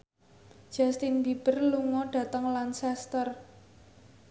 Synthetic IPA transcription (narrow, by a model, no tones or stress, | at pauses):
d̥ʒ̥a̤st̪inbib̥ərluŋɔɖ̥ä̤t̪əŋlansɛst̪ər